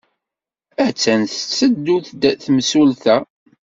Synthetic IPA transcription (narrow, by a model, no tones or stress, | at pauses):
æt͡sːənθt͡sːəd̪ːuθd̪θmsulθæ